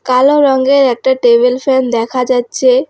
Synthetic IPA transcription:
kaloɾɔŋɡeɾɛk̚ʈaʈebelfɛnd̪ɛkʰad͡ʑatːɕʰe

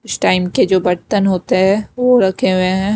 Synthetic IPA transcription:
ɪsʈaːɪmked͡ʒoːbɐɾt̪ənɦoːt̪eɦɛ̃ʋoɾɐkʰeɦʊeɦɛ̃ː

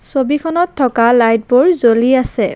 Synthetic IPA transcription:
sobikʰɔnɔtʰːɔkalajt̚boɹzoliasɛ

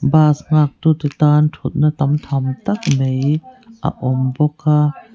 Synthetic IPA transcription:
baːsŋak̚t̪ut̪et̪ant̪ʰut̪̚nat̪amt̪ʰamt̪ak̚mejʔa̰ʔɔmbɔkʰa

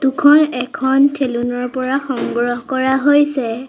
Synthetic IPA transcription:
tukʰɔnɛkʰɔntʰelunɔɹpɔɹaxɔŋɡɹɔɦkɔɹaɦojsɛ

